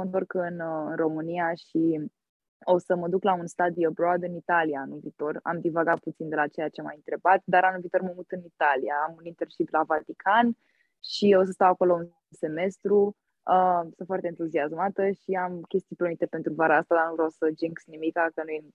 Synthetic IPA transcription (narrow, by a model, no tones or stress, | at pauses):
ont̪orkəɨnəɨnro̞mɨniaʃi | o̞səməd̪uklaunst̪ad̪iəbɾod̪ɨnit̪alijaanulviːt̪o̞ra̰md̪ivaɡat̪̚put̪sind̪e̞lat͡ʃe̞jat͡ʃema̰jɨnt̪ɾe̞bat̪d̪aɾanulviːt̪o̞rməmut̪ɨnit̪alijaːmunint̪erʃiplavat̪ikʰan | ʃio̞s̬əst̪awako̞loun | se̞me̞st̪ɾu | əsɨnt̪fwart̪eːnt̪uziazmat̪əʃiamkʲe̞st̪ijpeumit̪epe̞nt̪ɾuvaɾaast̪ad̪arnuvɾaosəd͡ʒiŋksnimikakənuje